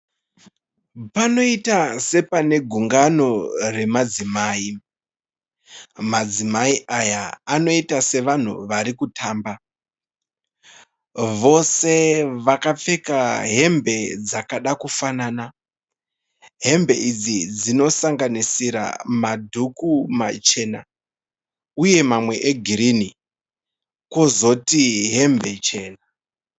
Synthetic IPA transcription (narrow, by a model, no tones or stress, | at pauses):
pano̞itase̞pane̞ɡʱuŋɡano̞re̞mad͡zimaːi | mad͡zimaiʔajaːno̞itase̞ʋan̤ṵʋaɾikutʰaːmba | ʋo̞se̞ʋakap͡fe̞kaɦe̞mbe̞d͡zakaɗakufanaːna | ɦe̞mbe̞ʔid͡zid͡zino̞saŋɡanisiɾa̰madʱukumat͡ʃe̞na | uje̞mamwe̞ʔeɡʱiɾini | ko̞zo̞tiɦe̞mbe̞t͡ʃe̞ːna